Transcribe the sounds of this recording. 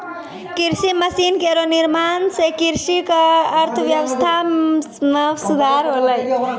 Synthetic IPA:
kiɾsiməsinkeɾoniɾmansekiɾsikaːɾt̪ʰəʋjəʋəst̪ʰa | məsud̪ʱaɾɦoləj

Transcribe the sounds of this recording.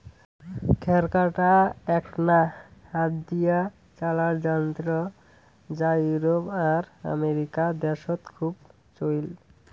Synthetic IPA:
kʰɛɾkaʈaɛknaad̪d̪ija | t͡ɕalaɾd͡ʑant̪ɾo | d͡ʑajuɾopaɾa̰meɾikad̪ɛʃot̪kʰub | t͡ɕojl

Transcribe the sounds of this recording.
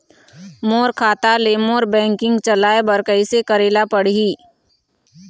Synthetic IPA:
moːɾkʰaːt̪aleːmoːɾbɛ̃ːŋkɪ̃ŋɡt͡ʃɐlaːebɐɾkəisekəɾeːlapəɽ̤iː

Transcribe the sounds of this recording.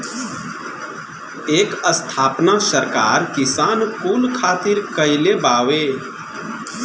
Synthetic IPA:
eːkəst̪ʰaːpnasəɾkaːɾkɪsaːnpuːlkʰaːt̪ɪɾkəɪlebaːʋeː

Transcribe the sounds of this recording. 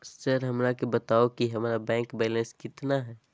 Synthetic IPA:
səɾɦəmɾakebət̪aokiɦəmɾabɛ̃ːŋkbɛlə̃nskɪt̪naɦɛ

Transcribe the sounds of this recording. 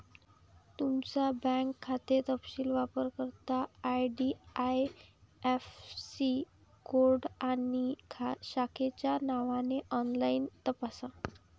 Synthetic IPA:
t̪umt͡sabɛ̃ŋkʰːat̪et̪əpɕiːlʋapəɾkəɾt̪aːjɖiajefsi | ɡoɾɖanikʰaɕakʰet͡ɕjanaʋaneʔɔnlaint̪əpasa

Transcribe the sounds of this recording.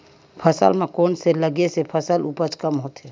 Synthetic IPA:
pʰəsə̰lmẽkoːnseləɡesepʰəsəlupət͡ʃkəmɦoːt̪ɦɛː

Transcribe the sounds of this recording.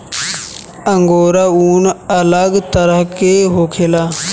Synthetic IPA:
ə̃ŋɡoːɾauːnələɡt̪əɾəɦkeɦoːkʰelaː

